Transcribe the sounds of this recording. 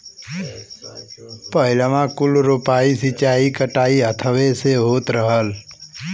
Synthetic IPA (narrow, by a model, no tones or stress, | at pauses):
pəɦɪlamãkʊlɾupaːisɪt͡ʃaːikəʈaːiət̪ʰəʋeseɦoːt̪ɾəɦəl